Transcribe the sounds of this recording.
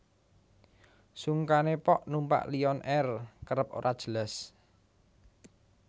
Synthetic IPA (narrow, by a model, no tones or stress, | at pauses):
suŋkanepɔʔnumpa̰ʔliɔnʔɛrkəɾəp̚o̰ɾʔad̥ʒ̥əlas